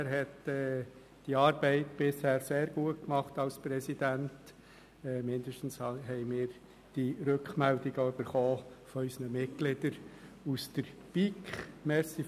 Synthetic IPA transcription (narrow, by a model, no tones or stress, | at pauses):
æɾɦɛtɛː | d̥iɑːɾbɛɪtb̥ɪshæːɾseːɾɡuət̚kmɑχtɑlspɾɛsid̥æntː | mɪndəʃtn̩shɦɛɪmɪːɾ | d̥iɾøkχmɛldɪɡəøb̥əɾχoːfɔœʏsənəmɪt̚ɡ̥lɪdəɾusd̥əɾpikχmɛɾsi